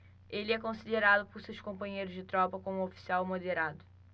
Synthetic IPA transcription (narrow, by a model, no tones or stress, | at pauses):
elɛkõsileɾaðupɔɾsewʃkõmpɐɲejɾʊʒd̪ɪt̪ɾɔpɐkõũofi̥siawˠmoðeɾaðʊ